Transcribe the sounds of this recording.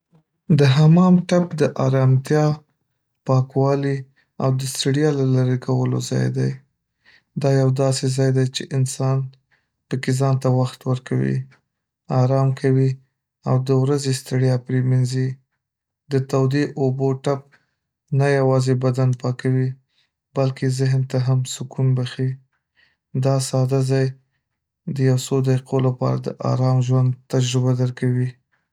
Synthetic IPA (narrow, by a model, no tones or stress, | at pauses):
d̪əɦamɑmʈapd̪əʔɑɾɑmt̪jɑ | pɑkwɑli | awd̪əst̪aɽjɑlalaɾekʰawəlo̰zɑ̰jd̪aj | d̪ɑjawd̪ɑsezɑjd̪ajt͡ʃeʔɪnsɑn | pəkezɑnt̪awaxt̪wəɾkawḭ | ɑɾɑmkʰawi | awd̪əwɾazest̪aɽjɑpɾemanzi | d̪ət̪awd̪eʔoboʈap̚ | najawɑzebad̪anpɑkawi | balkezɪɦnt̪aɦamsʊkunbaxi | d̪ɑsɑd̪azɑj | d̪əjawsod̪aiqʰolapɑ̰ɾa̰d̪ə̰ʔɑ̰ɾɑmʒwand̪̚t̪ad͡ʒɾʊbad̪əɾkawi